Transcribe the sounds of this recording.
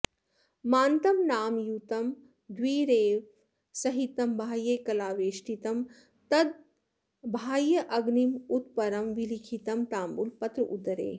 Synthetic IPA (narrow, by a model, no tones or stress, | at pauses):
maːnt̪ɐmnaːmjuːt̪ɐm | d̪ʋwiːɾeː | sɐɦit̪ɐmbʱaːjeːkɐlaːʋeːʃʈit̪ɐm | t̪ɐd̪̚ | bʱaːjɐʔɐɡnimut̪pɐɾɐmʋilikʰit̪ɐmt̪aːmbulpɐt̪ɾɐʔud̪ɐɾḛː